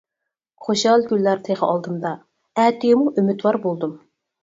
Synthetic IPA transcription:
χoʃɑlˠɡʲylːæɾt̪ʰeʁəɑlˠd̪ɨnd̪ɑ | æt̪ijɪmuʔymyt̪wɑɾbolˠd̪ɨm

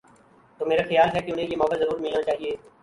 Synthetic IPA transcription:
t̪oːmeːɾaːxɪjaːlɦɛːkɪʊn̤ẽjeːmɔːkəzəɾuːɾmɪlnãːt͡ʃaːɦieː

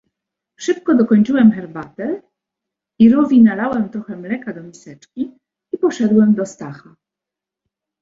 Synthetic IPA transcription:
ʂɘp̚kɔd̪ɔkɔɲt͡ʂɘwɛmxɛɾbat̪ɛ | iɾuvʲinalawɛmt̪ɾɔxɛmlɛkad̪ɔmʲisɛt͡ʂkʲi | ipɔʂɛd̪wɛmd̪ɔst̪axa

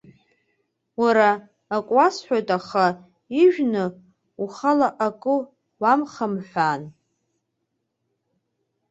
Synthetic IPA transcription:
waɾaː | kʷʼasħʷᶣojtʼaχa | iʒᶣnɨ | uχalaʔakʼɨ | wamχamħʷᶣaːn

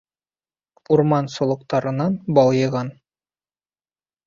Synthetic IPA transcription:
uɾmɑnsŏlˠɤ̆qt̪ɑɾɤ̆nɑnbɒlˠjɤ̆ʁɑn

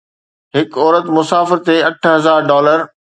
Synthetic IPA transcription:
ɦɪkɔːɾət̪mʊsaːfɪɾt̪eɐʈʰɦɐzaːɾɖɔːləɾ

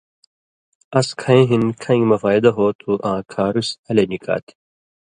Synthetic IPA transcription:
ɐskʰɐẽɦinkʰɐ̃ĩmɐfaːjd̪ɐɦoːt̪ʰuʔãːkʰaːɾusɐlenikʰa̰ːt̪ʰi̥

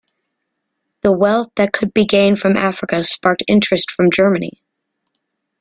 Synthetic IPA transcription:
ðəwɛlˠθðɨt̚kʰɨd̚biɡẽɪ̃nd̥fɹʌ̃mʔæfɹɨkɨspɑɹk̚tɪ̰̃nt͡ʃɹ̥ɨstfɹʌ̃md͡ʒɜ˞mɨnḭ

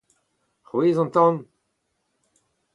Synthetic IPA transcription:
χweːzɑ̃nt̪ɑ̃n

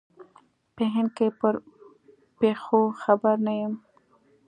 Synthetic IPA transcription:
peɦɪnkejpəɾ | pexoxabaɾnajəm

